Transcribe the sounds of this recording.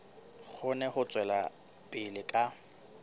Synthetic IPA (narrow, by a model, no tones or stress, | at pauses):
k͡xʰʊnɛhʊt͡sʼwɛla | pʼɪlɪkʼa